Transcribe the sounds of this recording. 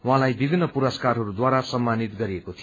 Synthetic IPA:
wãlajbibʱinːʌpuɾʌskarɦʌɾud̪waɾasʌmːanit̪ɡʌɾiekot̪ʰij

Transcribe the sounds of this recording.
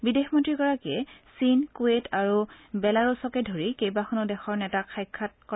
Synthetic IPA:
bidexmɔntɹiɡɔɹakɛsinkuetʰaɹubɛlaɹɔsɔkɛdʱoɹikejbaxʰɔnɔdɛxɔɹnɛtakʰːajkʰːat̚k

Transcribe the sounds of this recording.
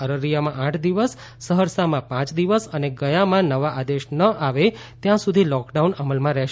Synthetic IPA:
əɾəɾijamãʔaʈʰd̪iʋəsː | əɦəɾsamãpãt͡ʃd̪iʋəsəneɡəjamãnəʋaʔad̪eʃnəʔaʋet̪jãsud̪ʱilɔkɖaunəməlmãɾɛʃ

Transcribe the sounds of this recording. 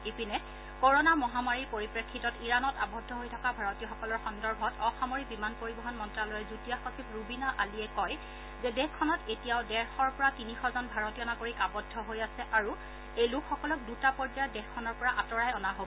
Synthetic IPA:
ipinɛ | koɹonamɔɦamaɹiɹpoɹipɹekʰːitɔtiɹanɔtabɔdʱɔɦojtʰɔkabʱaɹɔtijɔxɔkɔlɔɹxɔndɔɹbʱɔtɔxamoɹibimanpoɹibɔɦɔnmɔntɹalɔjɛzutijaxosipɹubinaʔaliɛkɔj | zɛdɛkʰːɔnɔtetijaʊdɛɹxɔɹpɔɹatinixɔzɔnbʱaɹɔtijɔnaɡoɹikabɔdʱːɔɦojasɛʔaɹu | ejlukʰxɔkɔlɔk̚dutapɔɹd͡ʒajɔdɛxkʰːɔnɔɹpɔɹaʔatɔɹajɔnaɦo

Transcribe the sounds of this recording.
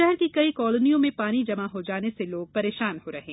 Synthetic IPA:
ɛɦɾkikɐikɔːlonijõmẽpaːnid͡ʒɐmaɦod͡ʒaːneseloːɡ̚pɐɾeːʃaːnhoɾɐɦẽː

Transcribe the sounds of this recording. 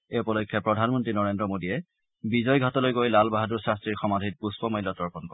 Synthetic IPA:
eupɔlɔjkʰːjɔpɹɔdʱanmɔntɹinɔɹendɹɔmodiɛ | bizɔjɡʱatɔlojɡojlalbaɦaduɹsɹastɹiɹxɔmadʱit̚puspɔmajlːɔtɔɹpɔnkɔ

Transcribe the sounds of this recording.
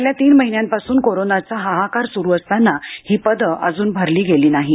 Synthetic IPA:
ljat̪iːnməɦinjãmpasuːnkoɾonat͡saɦaɦakaɾsuɾuəst̪anːahiːpəd̪əəd͡zuːnbʱəɾliːɡeliːnaɦi

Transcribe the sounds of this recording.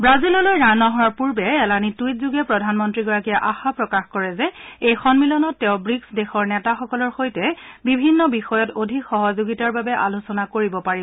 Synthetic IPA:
bɹazilɔlojɹanɔɦɔɹɔɹpuɹbɛɛlanitujt̚zuɡɛpɹɔdʱanmɔntɹiɡɔɹakijaʔaxapɹɔkaxkɔɹɛzɛejxɔnmilɔnɔtːɛʊ̃bɹiksdɛxɔɹnɛtaxɔkɔlɔɹxojtɛbibʱinːɔbixɔjɔtodʱikxɔɦɔzoɡitaɹbabɛʔa̰losɔnakoɹibɔpaɹib

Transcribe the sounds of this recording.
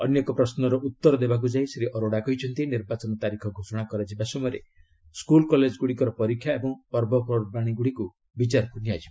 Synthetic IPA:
ɔ̰njɔkɔpɾɔsnɔɾɔʔut̪ːɔɾɔd̪ebak̬ud͡ʒajseɾiʔɔɾoɽakɔɦit͡ʃʰɔnt̪ieniɾbat͡ʃɔnɔt̪aɾikʰɔɡʱosɔɽ̃akɔɾad͡ʒibasɔmɔjɾe | skulkɔled͡ʒɡuɽikɔɾɔpɔɾikʰːjaebɔŋpɔɾbɔpɔɾbaɽ̃iɡuɽiku | bit͡ʃaɾɔkunijad͡ʒiba

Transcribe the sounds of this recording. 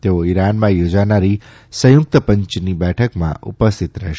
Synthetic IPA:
t̪eoiɾanmãjod͡ʒanaɾi | səjʊk̚t̪əpəɲt͡ʃnibɛʈʰəkmã̰ṵpəst̪ʰit̪ɾə̰ʃ

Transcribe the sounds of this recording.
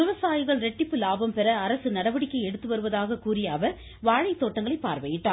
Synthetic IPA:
ɯʋɐsaːjɪɣɐɭɾɛʈːɪpːɯlaːbɐmpɛɾɐːɾɐsɯnɐɽɐʋɐɽɪkːɐɪɛɽɯt̪ːɯʋɐɾɯʋɐðaːɣɐkuːrɪjɐːʋɐɾ | ʋaːɻɐɪt̪ːoːʈːɐŋɡɐɭɐɪpːaːɾʋɐjɪʈːaː

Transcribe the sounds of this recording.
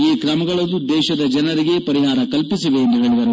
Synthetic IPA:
iːkɾɐmɐɡɐɭɐd̪ud̪ɛːʃɐd̪ɐd͡ʒɐnɐɾiɡe̞pɐɾiɦaːɾɐkɐlpisiʋe̞ːnd̪uɦe̞ːɭid̪ɐɾu

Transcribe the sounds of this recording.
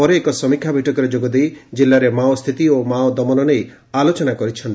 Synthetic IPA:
ɔɾeːkɔsɔmikʰjabʱiʈɔkɔɾed͡ʒoɡɔd̪ejd͡ʒilːaɾemaɔst̪ʰit̪iomaɔd̪ɔmɔnɔnej | alot͡ʃɔnakɔɾit͡ʃʰɔnt̪i

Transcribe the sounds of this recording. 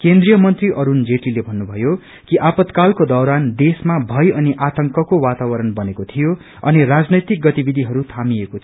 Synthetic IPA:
kend̪rijʌmʌnt̪riʔʌɾund͡zeʈilebʱʌnːubʱʌjo | kiʔapʌt̪kalkod̪ʌwɾand̪esmabʱʌjʌniʔat̪ʌŋkʌkowat̪awʌɾʌnbʌnekot̪ʰijo | ʌ̰nirad͡znʌjt̪ik̚ɡʌt̪ibid̪ʱiɦʌɾut̪ʰamiekot̪ʰ

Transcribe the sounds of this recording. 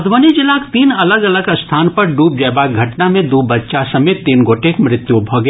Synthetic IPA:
ɐd̪ʱʋənid͡ʒɪlaːkt̪iːnɐləɡɐləɡst̪ʰaːnpɐɾɖuːp̚d͡ʒɛːbaɡʱɐʈnamẽd̪uːbɐtːʃasɐmeːt̪ːiːnɡoːʈʰekmɾɪt̪jubʱoɡ

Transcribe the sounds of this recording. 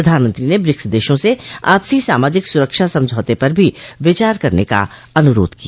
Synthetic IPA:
ɐd̪ʱaːnmə̃nt̪ɾinebɾɪksd̪eːʃõsea̰ːpsisaːmaːd͡ʒɪksʊɾəkʃasɐ̃md͡ʒʱɔːt̪epɐɾbʱiʋɪt͡ʃaːɾkɐɾneka̰ | ɐnʊɾo̰ːd̪kijaː

